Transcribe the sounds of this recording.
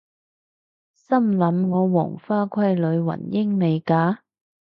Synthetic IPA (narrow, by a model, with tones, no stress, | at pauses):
sɐ˥mlɐ˨˥mŋɔː˨˧wɔ̰ː˨˩ŋfaː˥kʷʰɐ˥jlɵ˨˧ɥwɐ̰˨˩njɪ˥ŋme˨˧jkaː˨˥